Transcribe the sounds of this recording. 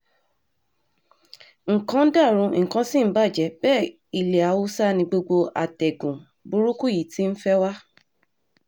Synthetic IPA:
ŋ̩˨kã˧˦da˦˨ɾ̃ũ˨˧ŋ̩˨kã˨˦si˦m̩˦ba˦˨d͡ʒɛ˧˦bɛː˦˨ | i˨le˨a˨˦wu˦sa˦nĩ˧ɡ͡bo˧ɡ͡bo˧a˨tɛ˨ɡũ˨ | bu˦ɾu˦ku˦˨ji˨ti˦n̩˦fɛ˦wa˦

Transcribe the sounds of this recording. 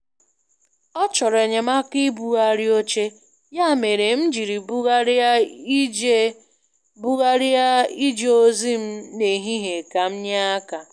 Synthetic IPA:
ɔ˦t͡ʃɔ˨ɾe˨ɲe˨ma˦ki˦bu˨ɣa˦ɾi˦o˦t͡ʃe˦ | ja˦˨me˨ɾe˨m̩˦d͡ʒi˨ɾi˨bu˦ɣa˦ɾ | bu˦ɣa˦ɾi˦a˦i˦d͡ʒe˦o˦zi˦m̩˦ne˨ɦi˦ɦe˨ka˨m̩˦ɲa˦a˦ka˨

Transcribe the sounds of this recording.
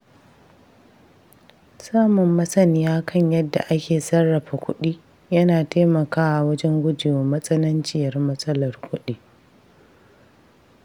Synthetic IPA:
saː˦mʊ˨mːɐ˦sɐ˦nɪ˦jaː˦kʰɐ˦˨ɲjɐ˦dːa̰˨ʔa˦kʲeː˨sɐ˦rːɐ˨ɸa˨kʷʊ̰˦ɗiː˦ | jɐ˦naː˨teː˦mɐ˨kaː˦wa˨wɐ˦d͡ʒɛ˦ŋɡʷʊ˦d͡ʒɪ˨joː˨mɐ˦sʼɐ˦nɐ˦nt͡ʃɪ˦jɐ˨rmɐ˦sʼɐ˦lɐ˨rkʷʊ˦ɗiː˦˨

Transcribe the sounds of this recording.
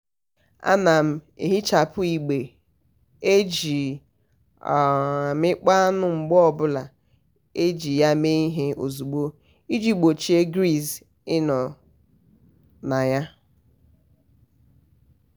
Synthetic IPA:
a̰˦na˨m̩˨ḛ˨ɦi˦t͡ʃa˨pʊ˦i˨ɡ͡be˨ | e˦d͡ʒi˨ | mɪ˦k͡pa˦nʊ˨ŋ͡m̩˨ɡ͡bɔ˦ɔ˨bʊ˦la˨ | e˦d͡ʒi˨ja˦me˦i˦ɦe˦o̰˨zu˨ɡ͡bo˦ | i˦d͡ʒi˦ɡ͡bo˨t͡ʃi˦e˦ɡɾi˦s | ɪ˦nɔ˨ | na˨ja˦

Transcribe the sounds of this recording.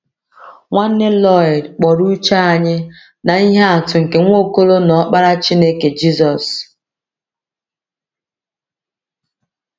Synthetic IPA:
ŋʷa˦n̩˦ne˦lɔ˦˨dk͡pɔ˨ɾu˦t͡ʃa˦a˨ɲɪ˦ | na˨i˦ɦe˦a˨tʊ˨ŋ̩˨ke˨ŋʷo˦˨ko˦lo˦nɔ˨˦k͡pa˦ɾa˦t͡ʃi˦ne˦ke˨d͡ʒi˦zɔ˨s

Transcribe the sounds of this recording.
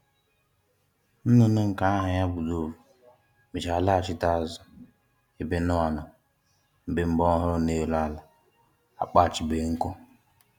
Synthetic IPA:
n̩˦nʊ˨nʊ˦ŋ̩˨ka˨a˦ɦa˨ɲa˦bu˨do˨vu˨ | mi˨t͡ʃa˨la˦˨t͡ʃɪ˦ta˦˨zɔ˦ | e˨be˨nʊ˦a˨nɔ˨ | m̩˨be˨m̩˦bɔ˦ɦʊ˦ɾʊ˦ne˦˨la˦la˨ | a̰˨k͡pa˦˨t͡ʃɪ˨beː˨ŋ̩˦kʊ˦

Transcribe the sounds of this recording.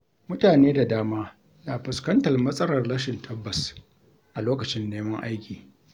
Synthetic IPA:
mʊ˦taː˨neː˦da˨daː˦maː˦ | naː˨ɸɪ˨skɐ˦ntɐ˨rmɐ˦sʼɐ˦ɾɐ˨rlɐ˦ʃɪ˨ntʰɐ˦bːɐ˨s | ʔa˨loː˦kɐ˨t͡ʃɪ˦nːeː˦mɐ˦ŋʔa̰˦jkʲiː˨

